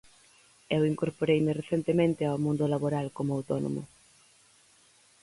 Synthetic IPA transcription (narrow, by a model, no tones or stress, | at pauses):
ewiŋkoɾpoɾejmɪreθent̪emẽnt̪ɪawmũnd̪ʊlaβoɾalkomʊawt̪ɔno̰mʊ̰